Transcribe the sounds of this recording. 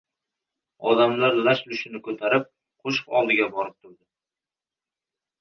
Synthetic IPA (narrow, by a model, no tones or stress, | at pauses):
ɒd̪amlaɾlaʃlʊʃɪnɪkʰɵt̪ʰaɾɪp̚ | qʰoʃqɒlˠd̪ɪɡʲabɒɾɪp̚t̪ʰʊɾd̪ɪ